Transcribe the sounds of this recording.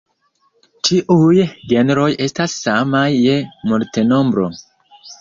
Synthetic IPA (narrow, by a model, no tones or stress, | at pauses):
t͡ʃiʔujɡe̞neɾo̞je̞stasːamajːemoɾteno̞mbɾo̰